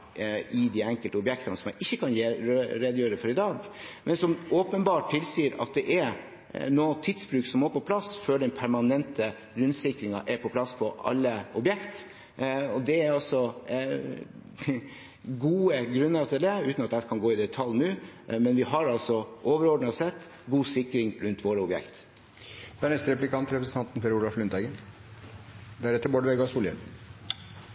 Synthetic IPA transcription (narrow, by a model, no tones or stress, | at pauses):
ɪd̪iːɛŋkəlt̪əɔbjɛkt̪ɑnəsɔmjæɪʔɪçːəkʰɑnjeɾɛd̪jøːɾəfɔɾɪd̪ɑːɡmɛnsɔmʔoːpənbɑːʈʰːɪlsiːɾɑ̰t̪̚d̪ɛʔɛɾ | noːt̪ʰɪd̪sbɾʉːksɔmːoːɾpɔpʰlɑsføɖ̪ɛnpʰæɾmɑnɛnt̪ə | ɾʉnsɪkɾɪŋɑʔɛɾpʰɔpʰlɑspʰɔʔɑ̰lːəɔbjɛkt̪ | ɔd̪ɛæɾɔsɔ | ɡuːəɡɾʉnːəɾt̪ʰɪld̪ɛʉːt̪nɑt̪̚d̪ækʰɑnɡoːɪd̪ɛt̪ʰɑlnʉːmɛnʋɪɦɑɾɑlsɔʔoːʋəɾɔɖɳɑsɛt̪ː | ɡuːsɪkɾɪŋɾʉnt̪ʰʋoːɾəɔbjɛ̰kt̪ | d̪̥ɛæɳɛst̪əɾɛplɪkʰɑnt̪ɾɛpɾsn̩t̪ʰɑnt̪n̩fɛɾuːlɑflʉnt̪æɡən | d̪æɾɛt̪ːəɾbɔːɖəʋɛɡɑsuːljən